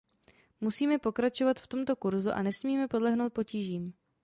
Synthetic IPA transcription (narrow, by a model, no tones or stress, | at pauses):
musiːmɛpo̞kɾat͡ʃo̞vat̪ft̪o̞mt̪o̞kuɾzuʔa̰nɛsmiːmɛpo̞dlɛɦno̞wt̪̚po̞ciːʒiːm